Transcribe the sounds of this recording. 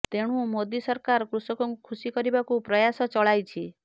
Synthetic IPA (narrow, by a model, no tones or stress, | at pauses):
t̪eɽ̃ũmod̪isɔɾkaɾkɾusɔkukʰusikɔɾibakupɾɔjasɔt͡ʃɔɭajt͡ʃʰi